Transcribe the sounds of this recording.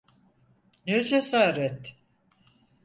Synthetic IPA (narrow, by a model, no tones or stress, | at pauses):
ned͡ʒesaːɾɛt̪